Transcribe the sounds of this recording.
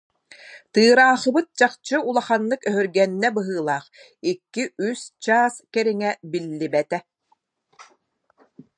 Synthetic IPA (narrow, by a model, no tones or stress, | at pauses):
t̪ɯːɾaːχɯ̆bɯt̪̚d͡ʑaχt͡ɕɯulˠaχanːɯkœɦœɾɡɛnːɛbɯɦɯːlˠaːχ | ikːiʔyst͡ɕaːskɛɾiŋɛbilːibɛt̪ɛ